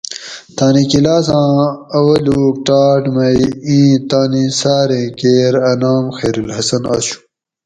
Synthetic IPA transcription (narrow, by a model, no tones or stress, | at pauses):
t̪aːnikilaːsãːɐwɐluːʈaːʈmɐjĩːt̪aːnisaːɾẽkeːɾɐnaːmxeːɾulhɐsɐna̰ːɕu̥